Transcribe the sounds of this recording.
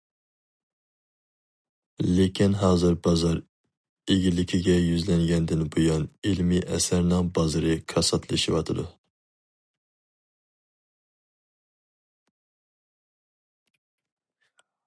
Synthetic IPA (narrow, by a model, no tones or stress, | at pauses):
lekʲʰinɦɑːzɨɾbɑzɑɾ | eɡʲilɪkʲʰiɡʲɛjyzlɛŋɡʲɛnd̪ɪnbojɑnilmiʔɛsæɾnɨŋbɑzɨɾɨkʰɑsɑt̪ʰlˠɨʃiwɑt̪ʰɨd̪u